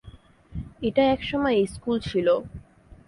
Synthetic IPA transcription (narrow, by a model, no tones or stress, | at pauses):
eʈaɛkʃɔmɔeeskult͡ɕʰilo